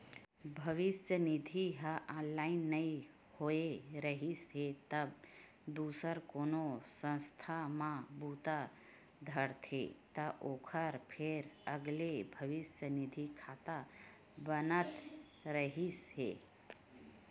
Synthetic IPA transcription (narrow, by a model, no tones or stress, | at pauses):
bʱəʋɪsjənɪd̪ʱiɦəʔãːnlaːɪnːəi | hoeɾəɦisɦet̪əb | d̪uːsəɾkoːnosə̃nst̪ʰamãbuːt̪a | d̪ʱəɾt̪ʰḛt̪əʔoːkʰəɾpʰeɾəɡlebʱəʋɪsjənɪd̪ʱikʰaːt̪a | bənət̪ | ɾəɦisɦḛ